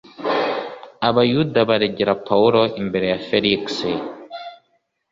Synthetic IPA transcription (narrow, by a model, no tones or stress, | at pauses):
aβajudaβaɾeɟeɾapʰauɾo̞ʔimbe̞ɾe̞jafeliksi